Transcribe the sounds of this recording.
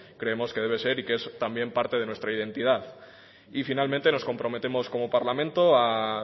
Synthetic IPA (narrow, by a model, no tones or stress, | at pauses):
kɾe̞emo̞ske̞ð̞e̞β̞e̞se̞ɾikee̞st̪ambje̞mpaɾt̪e̞ð̞e̞nwe̞st̪ɾaið̞e̞nt̪ið̞aθ | ifinalmẽnt̪e̞no̞sko̞mpɾo̞me̞t̪e̞mo̞sko̞mo̞paɾlamẽnt̪o̞a